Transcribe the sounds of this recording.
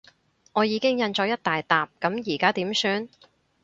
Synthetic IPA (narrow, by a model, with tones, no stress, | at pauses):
ŋɔː˨˧jiː˨˧kɪ˥ŋjɐ˧nt͡ʃɔ˨˧jɐ˥t̚t̪aː˨jt̪aː˨p̚kɐ˨˥mjiː˨˩kaː˥t̪iː˨˥msyː˧n